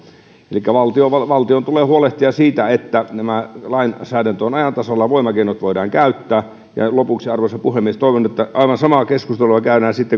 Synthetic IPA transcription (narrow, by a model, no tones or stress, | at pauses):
elikːæʋɑlt̪ioʋɑʋɑlt̪iont̪uleːhuoleht̪iɑsiːt̪æet̪ːænæmælɑinsæːdænt̪oːnɑjɑnt̪ɑsolːɑʋoˑimɑkeˑinot̪ʋoˑidɑːŋkæˑyt̪ːæː | jɑ̰lopuksiɑrʋosɑpuhemːiest̪oˑiʋonet̪ːæʔɑˑiʋɑnsɑmɑkeskust̪eluɑkæˑyɾæːnsit̪ːe